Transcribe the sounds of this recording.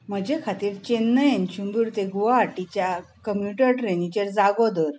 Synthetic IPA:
m̤əd͡ʑekʰat̪iːɾt͡ɕenːəjent͡ɕumbuɾt̪eɡuʋaaʈit͡ɕjakəmpjuʈəɾʈɾenit͡ɕəɾd͡zaɡɔd̪əɾ

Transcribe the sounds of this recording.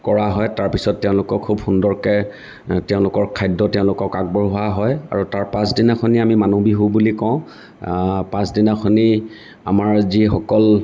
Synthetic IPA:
kɔɹaɦɔjtaɹpisɔtːɛʊ̃lʊkɔkʰːubxundɔɹkɛ | tɛʊ̃lʊkɔɹkʰajdɔtɛʊ̃lʊkɔkaɡ̚bɔɹɦʊaɦɔja̰ɹutaɹpãsdinakʰɔniamimanobiɦobulikɔ̃ʊ̃ | pãsdinakʰɔni | a̰maɹzixɔkɔl

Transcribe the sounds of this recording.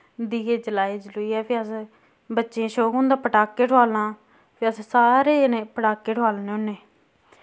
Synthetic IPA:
d̪iːeːd͡ʒəlaːid͡ʒlʊiːɛːpʰeːəs | bətːʃeẽːʃoːkɦõːnd̪aːpəʈaːkːeːʈʰʊaːlnãː | pʰeːəssaːɾeːnẽːpəʈaːkːeːʈʰʊaːlneːõnːeː

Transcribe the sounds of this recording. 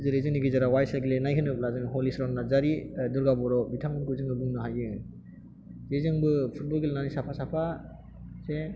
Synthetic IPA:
zɯɾezɯŋniɡizaɾawajsaɡilenajɦɯnɯp̚lazɯŋɦɔlisɾɔnnazaɾidɔɾɡabɔɾɔbitʰamɯnkuzɯŋɯbuŋnɯɦajɯ | zezɯŋbɯpʰut̚bɔlɡelnanisapʰasapʰa | se

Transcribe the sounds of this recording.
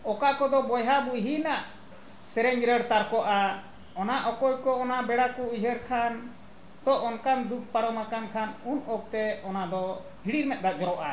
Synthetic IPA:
ɔkakɔd̪ɔbɔjɦabuʔjɦinaʔ | sɛɾɛɲɾəɽt̪aɾkɔʔa | ɔnaʔɔkɔjkɔɔnabɛɽakɔiɦəɾkʰan | t̪ɔʔɔnkand̪uk̚ʰpaɾɔmakankʰanunɔk̚t̪ɛɔnad̪ɔ | hiɽiɾmɛt̪̚d̪ad͡ʒɔɾɔʔa

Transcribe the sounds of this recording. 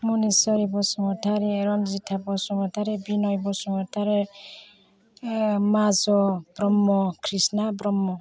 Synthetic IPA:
munesɔɾibɔsɔmɔt̪ʰaɾeɾɔnzit̪ʰabɔsɔmɔt̪ʰaɾebinɔjbɔsɔŋɔt̪ʰaɾe | mazɔbɾɔmːɔkʰɾisnabɾɔmːɔ

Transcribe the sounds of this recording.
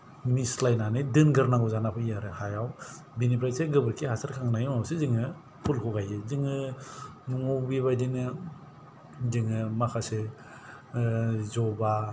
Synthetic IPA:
mislajnanɯdɯnɡɯɾnaŋɡɔzanapʰɯijaɾɯhajaw | binipʰɾajseɡɯbɯɾkʰihasaɾkʰaŋnajimawseziŋɯ | pʰulkʰɔɡajeziŋɯ | nuŋowbibajdinɯ | ziŋɯmakʰase | zɔba

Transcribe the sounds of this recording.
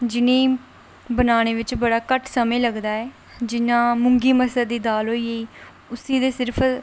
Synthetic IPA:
d͡ʒɪnẽː | bənaːɽ̃eːʋɪt͡ʃbəɽaːkəʈʰsəmẽːləɡd̪aːɛː | d͡ʒɪnãːmʊŋɡiːməsəd̪d̪iːd̪aːlɦoːiːeiː | ʊsiːd̪eːsɪɾpʰ

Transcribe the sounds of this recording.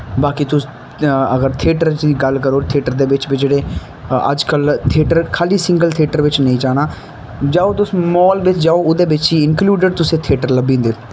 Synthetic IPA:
baːkiːt̪ʊs | əɡəɾt̪ʰeːʈəɾt͡ʃd̪iːɡəlkəɾoːt̪ʰeːʈəɾd̪eːʋɪt͡ʃbid͡ʒeːɽeː | ə̰d͡ʒkəlt̪ʰeːʈəɾkʰaːliːsɪ̃ŋɡəlt̪ʰeːʈəɾʋɪt͡ʃnəĩːd͡ʒaːnaː | d͡ʒaːoːt̪ʊsmɔːlʋɪt͡ʃd͡ʒaːoʊd̪eːbɪt͡ʃiːɪŋkluːɖəɖt̪ʊsẽːt̪ʰeːʈəɾləbĩːnd̪eː

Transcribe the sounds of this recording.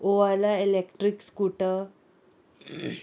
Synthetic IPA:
oalaelekʈɾikskuʈə

